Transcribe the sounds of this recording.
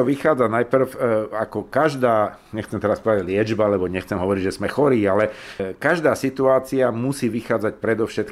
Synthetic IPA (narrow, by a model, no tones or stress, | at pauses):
ɔʋixaːd͡zanajpr̩fakɔkaʒd̪aː | ɲɛxt͡sɛmt̪ɛɾaspɔd̪aɟlɪɛd͡ʒbaalɛbɔɲɛxt͡sɛmɦɔʋɔɾiɟʒɛzmɛxɔɾiːalɛkaʒd̪aːsit̪uaːt͡siamusiːʋixaːd͡zacpɾɛd̪ɔʊʃɛt̪̚k